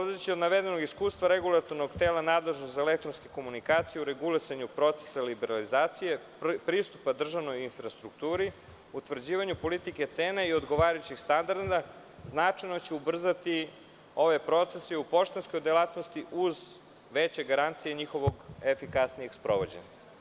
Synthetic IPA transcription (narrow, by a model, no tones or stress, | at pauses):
polad̪et͡ɕiod̪naʋe̞d̪eno̞ɡiskuːst̪ʋaɾeɡulˠat̪o̞ɾno̞ɡt̪eːlanaːd̪le̞ʒnozaelek̚t̪ɾonskeko̞munikaːt̪sijeuɾe̞ɡulisaɲupɾo̞t̪se̥salibeɾalizaːt̪sije̞ | pɾist̪upad̪r̩ʒaʋno̞jinfɾast̪ɾukt̪uːɾi | ut̪ʋr̩d͡ʑiːʋaɲupo̞lit̪ike̞t̪seːneio̞d̪ɡo̞ʋaːɾajut͡ɕixst̪and̪aɾd̪a | znat͡ʂajnot͡ɕeubr̩zat̪i | o̞ʋepɾo̞t̪se̞seupo̞ʃt̪enskojd̪elˠat̪no̞st̪iʔuz | ʋet͡ɕe̞ɡaɾant̪sijeɲixo̞ʋoɡefikasnijekspɾo̞ʋo̞d͡ʑeɲa̰